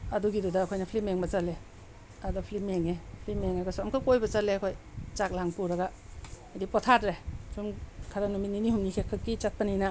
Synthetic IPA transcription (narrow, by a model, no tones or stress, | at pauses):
ɐduɡidudaːkʰojnɐpʰlimeŋbɐt͡ʃale | ɐdapʰlimeŋepʰlimeŋaɡasuamkʰakojbɐt͡ʃaleɐkʰojt͡ʃak̚laŋpuɾɐɡaajdipɔtʰatɾesumkʰaɾanumininihumnikʰekʰːakːit͡ʃat̚panijna